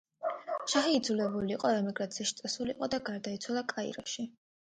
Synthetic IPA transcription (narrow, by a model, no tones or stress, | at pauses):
ʃaχiːd̪zulɛbuliːqʼɔɾamɛɡɾat̪sʰiaʃt̪sʼɛsuliːqʼɔd̪aɡaɾd̪ait̪sʰwalˠakʼaḭɾɔʃi